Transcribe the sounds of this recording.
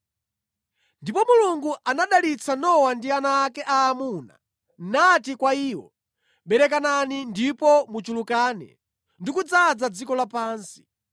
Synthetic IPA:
ndipɔmuluŋɡuʔanaɗalit͡sʰanɔwandianaːkɛʔaːmuːna̰ | natikwaiːwɔ | ɓɛɾɛk̬ananindipɔmut͡ʃulukaːnɛ̰ | ndikud͡zad͡zad͡zikɔlapaːnsi̥

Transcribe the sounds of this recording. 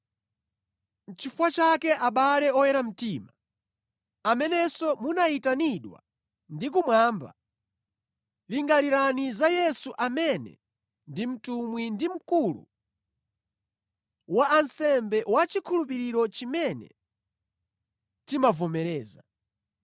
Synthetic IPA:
n̩t͡ʃifwat͡ʃakɛʔaɓalɛɔjɛɾam̩tiːma | amɛnɛsɔmunaitaniɗwa̰ | ndikumwaːmba̰ | liŋɡaliɾanizajɛsuʔamɛnɛ̰ | ndim̩tumwindim̩kulṵ | waːnsɛmbɛwat͡ʃikʰulup̬iɾiɾɔt͡ʃimɛnɛ̰ | timavɔmɛɾɛːza

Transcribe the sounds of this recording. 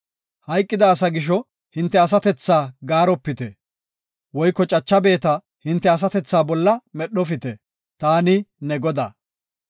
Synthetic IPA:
hɐjkʼːɪd̪ɐːsɐɡɪʃ̬ɔ | hɪnt̪ːɛɐs̬ɐt̪ɛt͡sːaːɡaːɾɔpːɪt̪ɛ | wɔjkːɔt͡ʃʼɐt͡ʃːɐbe̞ːt̪ɐ | hɪnt̪ːɛɐs̬ɐt̪ɛt͡sːaːbɔlːɐmɛɗɔfɪt̪ɛ | t̪aːnɪnɛɡɔd̪a̰ː

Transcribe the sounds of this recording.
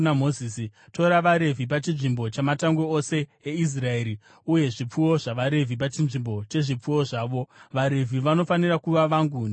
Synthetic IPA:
namozisito̞ɾaʋaɾe̞vʱip̬at͡ʃinʐimbo̞t͡ʃamataŋɡweose̞ːis̬rae̞ːɾi | uje̞ʐip͡fuwo̞ʐaʋaɾe̞vʱip̬at͡ʃinʐimbo̞t͡ʃe̞ʐip͡fuwo̞ʐaːʋo̞ʋaɾe̞vʱiʋano̞fanirakuʋaʋaːŋɡun

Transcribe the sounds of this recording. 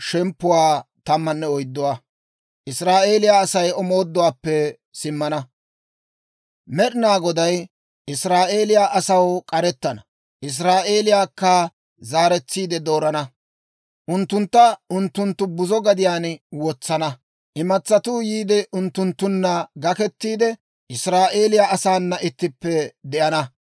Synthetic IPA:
ʃɛmpːʊwaːt̪ɐmːɐnːɛɔjd̪ːɔwa | ʔɪsɾaːʔe̞ːlɪjaːsɐjɔmo̞ːd̪ːɔwaːpːɛ | sɪmːɐnɐ | mɛɗɪnaːɡɔd̪ɐj | ʔɪsɾaːʔe̞ːlɪjaːʔɐsɐwkʼɐɾɛt̪ːɐnɐ | ʔɪs̬ɾaːʔe̞ːlɪjaːkːa | zaːɾɛt͡sːiːd̪ɛd̪o̞ːɾɐnɐ | ʔʊnt̪ːʊnt̪ːɐʊnt̪ːʊnt̪ːʊbʊzɔɡɐd̪ɪjaːnwɔt͡sːɐnɐ | ʔɪmɐt͡sːɐt̪uːjiːd̪ɛʔʊnt̪ːʊnt̪ːʊnːɐɡɐkɛt̪ːiːd̪ɛ | ʔɪsɾaːʔe̞ːlɪjaːʔɐsaːnːɐʔɪt̪ːɪpːɛd̪ɛʔɐnɐ

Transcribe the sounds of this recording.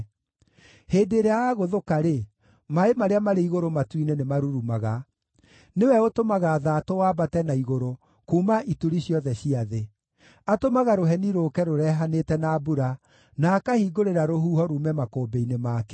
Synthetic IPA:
heːdeɾeaaɣoðokaɾe | maemaɾeamaɾeiɣoɾomatwinenemaɾuɾumaɣa | newɛotomaɣaːðaːtowaːbatɛnaiɣoɾo | kuːmaʔituɾiɕiɔðɛɕiaðe | atomaɣaɾoɦɛniɾoːkɛɾoɾɛɦanetɛnabuɾa | nakahiːɡoɾeɾaɾoɦuːhɔɾumɛmakoːbeinemaːkɛ̥

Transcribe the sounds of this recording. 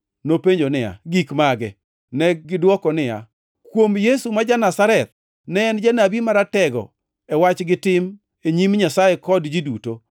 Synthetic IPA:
nopeɲd͡ʒonɪja̰ɡikmaɡɛ | nɛɡɪdwɔkɔnɪja̰ | kwomjesumad͡ʒanasaɾɛt̪̚ | nɛnd͡ʒanabimaɾatɛɡɔ̰ | ɛwat͡ʃɡɪtɪm | eɲimɲasajekɔdd͡ʒiduto

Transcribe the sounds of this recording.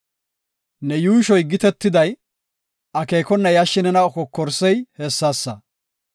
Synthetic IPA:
nɛjuːʃɔjɡɪt̪ɛt̪ːɪd̪ɐj | ʔɐkeːkɔnːɐjɐʃːɪnɛnɐɔkɔkːɔɾsɛjhɛsːaːsːɐ

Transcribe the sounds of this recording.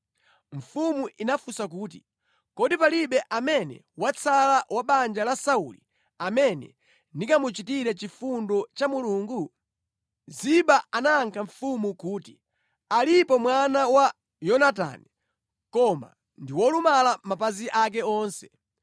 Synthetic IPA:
ɱ̩fumuʔinafusakuːtḭ | kɔdipaliɓɛʔamɛnɛ̰ | wat͡sʰalawʔaɓand͡ʒalasaṵli | amɛnɛ̰ | ndikamut͡ʃitiɾɛt͡ʃifundɔt͡ʃamuluːŋɡu | ziɓaanaːŋkʰaɱ̩fumukuːti | alipɔmwanawa | jɔnata̰ni | kɔma̰ | ndiwɔlumalamapaziʔak̬ɛɔːnsɛ̥

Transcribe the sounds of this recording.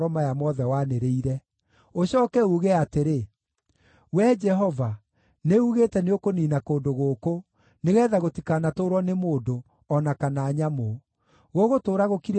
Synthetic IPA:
ɾɔmajamɔðɛwaneɾeiɾɛ | oɕɔːkɛuːɣeateɾe | wɛd͡ʒɛɦɔva | neuɣetɛneokoniːnakoːndoɣoːko | neɣɛːðaɣotikanatoːɾwɔnemoːdo | ɔnakanaːɲamo | ɣoɣotoːɾaɣokiɾɛ

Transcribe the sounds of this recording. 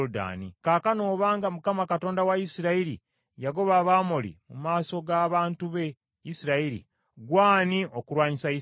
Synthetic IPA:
da̰ːnḭkaːkanoːβaːŋɡamukamakato̞ːndawajisiɾaiɾḭ | jaɡo̞βaβaːmolḭmumaːso̞ɡaːβaːntuβe̞ | isiɾaiɾḭ | ɡwaːniʔokuɾwaːɲisai

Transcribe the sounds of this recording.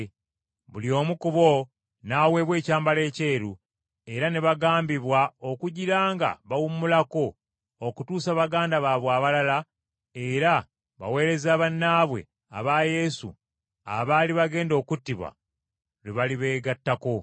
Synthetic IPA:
βulio̞ːmukuβo̞ | nawe̞βwe̞ːcaːmbale̞ːce̞ːɾu | e̞ɾaneβaɡaːmbiβwao̞kuɟiɾaːŋɡa̰βawummulako̞ | okutuːsaβaɡaːndaβaβwaːβalala | eɾa | βa̰we̞ːɾe̞zaːβanːaːβwe̞̰ | a̰βaːje̞sṵ | a̰βaːliβaɡe̞ːndo̞ːkutːiβwa̰ | ɾeβaliβe̞ːɡatːako̞

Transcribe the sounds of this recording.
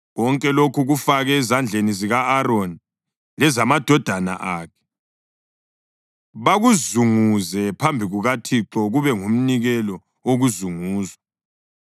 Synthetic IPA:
ɣɔŋkʼɛlokʰuɣufaɣɛːzand͡ɮʱeniziɣaːɾoni | lɛzamad̥ʱɔd̥ʱana̰ʔaːkʰɛ̥ | βaɣuzuŋuzɛpʰambʱiɣuɣatʰiǁɔɣuβɛŋum̩niɣɛlɔ | oɣuzuŋuːzwa

